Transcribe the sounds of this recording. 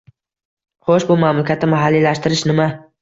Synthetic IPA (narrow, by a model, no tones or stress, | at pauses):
χoʃbʊmamlakʲʰat̪nɪmaɦalːilaʃt̪ɪɾɪʃnɪma